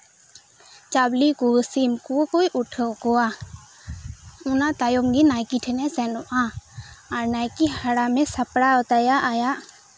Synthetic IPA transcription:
t͡ʃablikusimkukojʔuʈʰəkɔa | unat̪ajɔmɡinajkiʈʰɛnɛsɛnɔʔaaɾnajkihaɽamɛsapɽaɔt̪ajaʔajaʔ

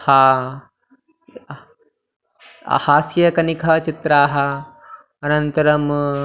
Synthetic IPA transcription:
haː | haːsjɐkɐnikʰɐt͡ʃit̪ɾaːɦɐ | ɐnɐnt̪ɐɾɐm

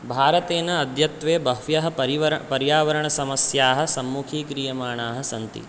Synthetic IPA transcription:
bʱaːɾɐt̪eːnɐːd̪ʱjɐt̪ʋeːbʱɐɦʋjɐɦɐ̆pɐɾiʋɐpɐɾjaːʋɐɾɐɳɐsɐmɐsjaːɦɐ̆sɐmːukʰiːkɾijɐmaːɳaːɦɐ̆sɐnt̪ḭ

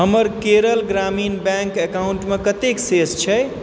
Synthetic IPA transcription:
ɦəməɾkeɾəlɡɾaminbɛ̃ŋkekawuɳʈmekət̪eksest͡ʃʰɛ

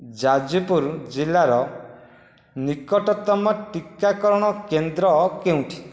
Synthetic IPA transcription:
d͡ʒad͡ʒupuɾd͡ʒilaɾɔ | nikɔʈɔt̪ɔmɔʈikakɔɾɔɽ̃ɔkend̪ɾɔkeũʈʰi̥

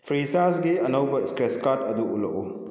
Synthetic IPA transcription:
pʰɾisasɡiɐnɐwbɐiskɾeskatɐduʔṵlɐ̰ku

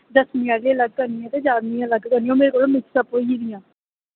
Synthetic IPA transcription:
d̪əsmjaːɖiələɡ̚kəɾnɪjãːt̪eːd͡ʒaːɾnijãːləɡkəɾniːõːmeːɾeːkoːɽõːmɪksəpoiiːd̪ɪjãː

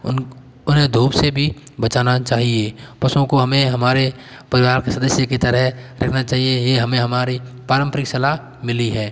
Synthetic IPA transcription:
ʊnɦẽd̪ʱuːbsebʱibət͡ʃaːnat͡ʃaːɦiepəsõkoɦɐmẽɦɐmaːɾe | pəɾɪʋaːɾkesəd̪əsjəket̪əɾəɦɾʔɐ̰kʰnat͡ʃaːɦiejeɦɐmẽɦɐmaːɾi | paːɾə̃mpɾɪksəla | mɪliɦɛː

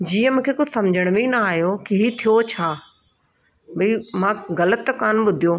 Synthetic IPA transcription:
d͡ʑiːə̃mũːkʰeːkosɐmd͡ʑʱəɽ̃mĩnɐaːɦijokiɦit̪ʰijot͡ɕʰaː | bɐimãːɣɐlət̪kaːnɓʊd̪ʱijoː

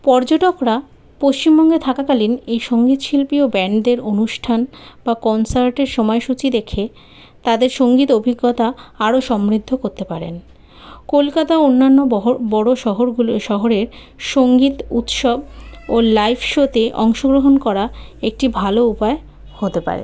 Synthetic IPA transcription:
pɔɾd͡ʑoʈokɾa | poʃt͡ɕimbɔŋɡet̪ʰakakalinejʃoŋɡit̪ʃilpiobɛɳɖd̪eɾonuʃʈʰanbakɔnsaɾʈeɾʃɔmɔeʃut͡ɕid̪ekʰe | t̪ad̪eɾʃoŋɡit̪obʱiɡːot̪aaɾoʃɔmɾid̪ʱːokoɾt̪epaɾḛn | kolkat̪aonːanːobɔɽoʃɔɦoɾʃɔɦoɾeɾ | ʃoŋɡit̪ut̪ʃɔb̚olajpʰʃot̪eʔɔ̰ŋʃoɡɾoɦonkɔɾaek̚ʈibʱaloupae | hot̪epa̰ɾḛ

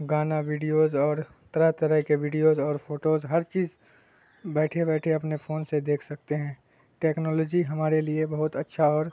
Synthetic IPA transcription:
ɡaːnaʋiːɖijoːzɔːɾ | t̪ɐɾət̪ɐɾəɦkeʋɪːɖijozɔːɾfʰoːʈoːzɦɐɾt͡ʃiːz | bɛːʈʰebɛːʈʰeɐpnefoːnsed̪eːkʰsɐkt̪eɦɛ̃ː | ʈeːknɔːlɔːd͡ʒiɦɐmaːɾeliebɐɦʊt̪ɐtːʃʰaɔːɾ

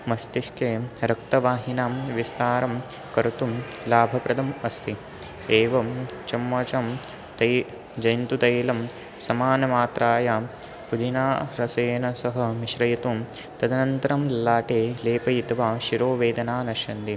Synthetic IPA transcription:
mɐst̪iʃkeːɾɐkt̪ɐʋaːɦinaːmʋist̪aːɾɐm | kɐɾut̪um | laːbʱɐpɾɐd̪ʱɐmɐst̪ʰi | eːʋɐmt͡ʃɐmːɐt͡ʃɐm | t̪ɐ | d͡ʒɐjnt̪ut̪ɐjlɐm | sɐmaːnɐmaːt̪ɾaːjaː | pud̪ʱinaːɾɐseːnɐsɐɦɐ̆miʃɾɐjɐt̪um | t̪ɐd̪ɐnɐnt̪ɐɾɐmlaːʈeːleːpɐjit̪ʋaːʃiɾoːʋeːd̪ɐnaːnɐʃɐnd̪i

